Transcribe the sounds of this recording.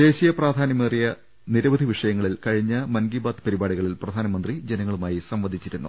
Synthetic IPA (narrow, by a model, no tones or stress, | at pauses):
d̪e̞ːɕijɐpraːd̪ʱaːnɐmerijɐ | niɾɐʋɐd̪ʱiʋiʂɐjɐŋːɐɭilkɐɻiɲːɐmɐnɡiːbaːd̪pɐɾibaːɽiɣɐɭilprɐd̪ʱaːnɐmɐnd̪rid͡ʑenɐŋːɐɭumaːjisɐmʋɐd̪ʱit͡ɕːiɾunːṵ